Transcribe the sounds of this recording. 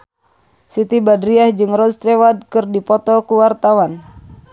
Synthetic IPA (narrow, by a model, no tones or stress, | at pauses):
sit̪ibadɾiahd͡ʒɨŋrɔst̪ɾɛwad̪̚kɨrdipɔt̪ɔkuwart̪awan